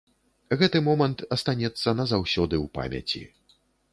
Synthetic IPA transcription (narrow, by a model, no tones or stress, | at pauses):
ɣɛt̪ɨmɔmɐnt̪ɐst̪anʲɛt̪sːɐnɐzawsʲɔd̪ɨwpa̰mʲɐ̰t͡sʲḭ